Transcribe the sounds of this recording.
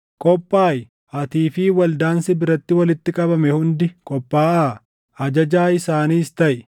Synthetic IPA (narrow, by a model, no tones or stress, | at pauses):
kʼɔpʼːaːj | ɐt̪iːfiːwɐld̪aːnsɪbɪɾɐt̪ːɪwɐlɪt̪ːɪkʼɐbɐmɛhʊnd̪ɪkʼɔpʼːaːʔaː | ɐd͡ʒɐd͡ʒaːɪsaːniːst̪ɐʔɪ